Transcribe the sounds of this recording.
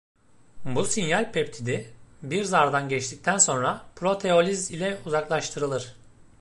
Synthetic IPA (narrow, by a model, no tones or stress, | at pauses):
businjalʲpʰɛpt̪ʰid̪ibiɾzaɾd̪anɟɛt͡ʃt̪ʰic̚t̪ʰænso̞nɾapʰɾo̞t̪ʰe̞o̞lʲizilʲɛuzaklˠaʃt̪ʰɯɾɯlˠɯɾ̥